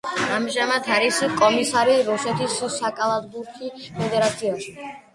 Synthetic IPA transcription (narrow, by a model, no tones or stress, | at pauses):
amʒamad̪ʰaɾisikʼɔmisaɾiɾusɛt̪ʰissːakʼalˠad̪buɾkʰipʰɛd̪ɛɾat̪sʰiaʃi